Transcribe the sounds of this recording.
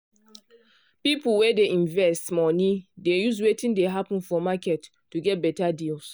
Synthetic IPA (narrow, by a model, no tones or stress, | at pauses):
pipulwedeĩnvɛstmɔnidejuswetĩndeɦapə̃nfɔmakɛtːuɡɛt̚bɛtadils